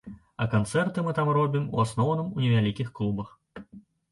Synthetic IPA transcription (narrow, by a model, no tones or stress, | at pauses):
ɐkant̪sɛrt̪ɨmɨt̪amrɔbʲimṵasnɔwnɨmunʲɛvʲalʲikʲixklˠubɐx